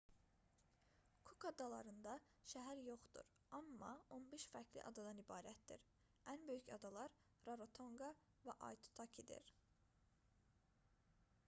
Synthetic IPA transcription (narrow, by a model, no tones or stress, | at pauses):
kʰukɑd̪ɑlˠɑɾɯnd̪ɑ | ʃæɦæɾjo̞χd̪̥ṵɾ | ɑmːɑ̰o̞nbeʃfæcʰlḭʔɑ̰d̪ɑd̪ɑnibɑːɾæt̪̚d̪ḭɾ | ænbø̞jycɑd̪ɑlˠɑɾ | ɾɑɾot̪ʰo̞ŋɡɑ | væʔɑ̰jt̪ʰu̥t̪ʰɑcʰid̪ḭɾ